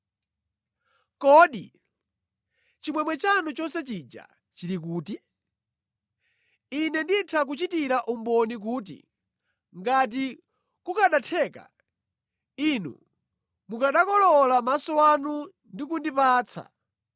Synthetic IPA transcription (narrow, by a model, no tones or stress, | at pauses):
kɔːɗi | t͡ʃimwɛmwɛt͡ʃanut͡ʃɔsɛt͡ʃid͡ʒa̰ | t͡ʃiɾikuːti | inɛnditʰak̬ut͡ʃitiɾaʔumbɔnik̬uːtḭ | ŋɡat̬i | kukaɗatʰɛːka̰ | inṵ | mukaɗakɔlɔlamasɔwanu | ndikundipaːt͡sʰa̰